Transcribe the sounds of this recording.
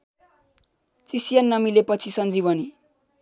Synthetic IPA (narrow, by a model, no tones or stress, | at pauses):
t͡sisienːʌmilepʌt͡sʰisʌnd͡ziβʌni